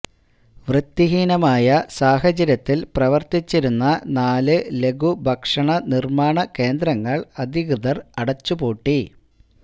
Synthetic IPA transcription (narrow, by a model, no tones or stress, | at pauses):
ʋrɨt̪ːiɦiːnɐmaːjɐsaːɦɐd͡ʑɐɾjɐt̪ːilprɐʋɐrt̪it͡ɕːiɾunːɐnaːlɨle̞ɡʱubʱɐkʂɐɳɐnirmaːɳɐke̞ːnd̪ɾɐŋːɐɭɐd̪ʱiɣrɨðɐrɐɽɐt͡ɕːuboːʈːi